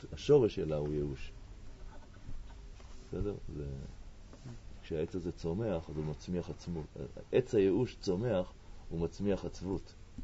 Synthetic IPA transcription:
aʃo̞ʁeʃelaujeuʃ | sedeʁzḛ | kʃeaet͡sazet͡so̞me̞aχazumat͡smiaχat͡smṵʔet͡shajeuʃt͡so̞me̞aχhumat͡smiaχat͡svut

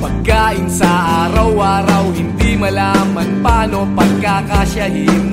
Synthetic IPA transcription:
pɐɡ̚kaːʔɪnsɐʔaːɾɐwʔaːɾɐwhɪnd̪imɐlaːmɐnpaːnopɐɡ̚kakaʃajɪn

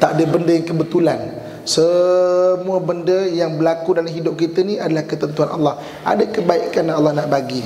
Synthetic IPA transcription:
t̪aʔadəbəndəjaŋkəbət̪ulan | sə | mũəbəndəjaŋbəlakudalamɦidʊp̚kit̪ənĩadalahkət̪ənt̪uanʔa̰lːɑh | ʔa̰dəkəbaikanaalːɑhnaʔbaɡi

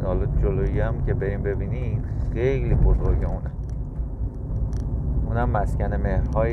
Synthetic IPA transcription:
hɒlɒd͡ʒoloiæmcʲʰe̞be̞ɾiːmbe̞biːnixejlibozoɾɟeunæ | unæmːæskʲæneme̞hɾhɒː

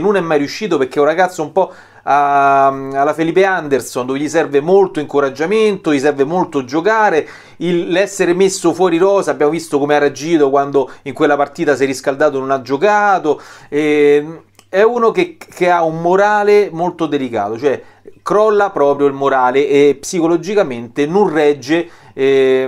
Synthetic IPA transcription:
nːunɛmːajɾijuʃːiːt̪̬operk̟euraɡat̪sːoumpɔ | a | alːafeliːp̬eand̪ersond̪oveʎisɛrvemolt̪oiŋkoɾad͡ʒːament̪oʎjisɛrvemolt̪od͡ʒokaːɾe | ilːɛsːeɾemesːofwɔːɾiɾɔːzabːjaːmovist̪okomearːead͡ʒiːt̪okwand̪oiŋkwelːapart̪iːt̪as̬jɛrːiskald̪aːt̪ononad͡ʒːokaːt̪oɛ | ɛuːnokekːeaumːoɾaːlemolt̪od̪elika̰ːt̪ot͡ʃoɛ | kɾɔlːapɾɔːpɾjoilmoɾaːleʔːpsikolod͡ʒikament̪enonrɛd͡ʒːe

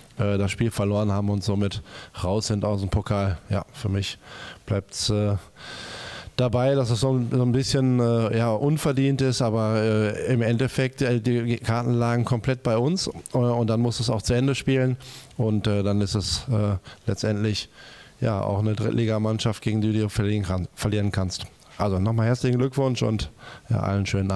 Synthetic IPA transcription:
ʔɛːdasʃpiːlfɛɐloːʁə̃nhaːbm̩ʊntz̥oːmɪtʁaʊsz̥ɪntaʊsdempʰokʰaːlja̰ːfyːɐmɪçb̥laɪp̚tsɛː | d̥abaɪdasɛsz̥oːnzoːnbɪsçənɛːjaːʔʊnfɛɐdiːntɪstʔaːbɐɛːɪmɛntɛfɛk̚tɛːdiːkʰaɐtn̩laːɡŋ̩kʰɔmpl̥ɛt̚b̥aɪʊnsʔɛːʊnt̚d̥anmʊstd̥uːsaʊxt͡suɛndəʃpiːlənʔʊntɛːdanɪstɛsɛːlɛ̰t͡stʔɛntlɪçja̰ːʔa̰ʊxnədʁɪ̰tlʔiːɡamanʃaftɡ̥eːɡŋ̩diːduːfiːfɛɐliːʁənkʰanst | ʔa̰lzonɔχmaːlhɛɐt͡slɪçn̩ɡlʏkv̥ʊnʃʊ̰ntja̰ːʔa̰lənʃøːnənaː

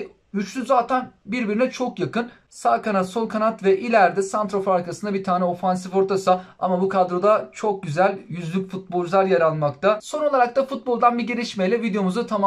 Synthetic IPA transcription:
yt͡ʃt̪yzzaːt̪ʰænbiɾbiɾinɛt͡ʃʰo̞kjakɯn | saːkanat̪so̞lˠkʰanat̪vɛʔilʲæɾd̪ɛsant̪ɾo̞faɾkasɯnd̪abit̪ʰaːnɛo̞fans̬ifo̞ɾt̪ʰasaamabukʰad̪ɾo̞d̪at͡ʃʰo̞k̚ɟyzælʲjyzlʲycfut̪̚bo̞lˠʒlˠaɾjaɾalˠmakt̪ʰaso̞no̞lˠaɾak̚t̪afut̪̚bo̞lˠd̪anbiɟelʲiʃmejlʲɛvid̪ejo̞muzut̪ʰama

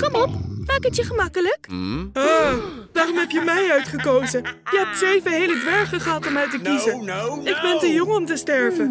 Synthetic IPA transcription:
kɔmɔpmaːkətjəχəmɑkələkaːʋaːrɔmɦɛpjəmɛjœɥtχəkowzəjəɦɛp̚tsejvəɦejlədʋɛɹχəχəɦɑtɔmœɥtəkizəʔɪɡ̚bɛntəjɔŋəɔmtəstɛɹvən

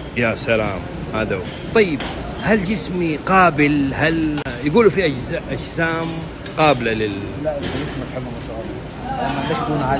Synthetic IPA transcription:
jaːsalaːm | haːd̪aw | t̪ˤɑjːɪb̚ | hald͡ʒɪsmiqɑːbɪlhaljaɡuːlufiʔad͡ʒzaʔad͡ʒsaːm | qɑːbɪlalɪl | d͡ʒɪsmbħɪbːamaʃal | ʔanːabaxd̪uːnʕa

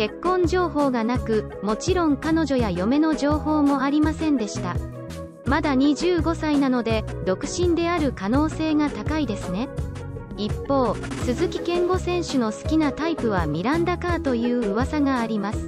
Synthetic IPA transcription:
ke̞kːõ̞ɲ̟d͡ʑo̞ːho̞ːɡanakɯ̟ | mo̞t͡ɕiɾõ̞ŋkano̞ʑo̞jajo̞me̞no̞d͡ʑo̞ːho̞ːmo̞aɾʲimasẽ̞nd̪e̞ɕi̥t̪a | mad̪aɲ̟iʑɨːɡo̞sainano̞d̪e̞ | d̪o̞kɯ̟̥ɕĩnd̪e̞aɾɯ̟kano̞ːse̞ːŋat̪akaid̪e̞sɨne̞ | ipːo̞ːsɨzɨkʲi̥kẽ̞ŋɡo̞sẽ̞ɰ̃ɕɨno̞sɨ̥kʲinat̪aipɯ̟β̞amʲiɾãnd̪akaːt̪o̞jɯ̟ːɯβasaɡaːɾʲimasɨ̥

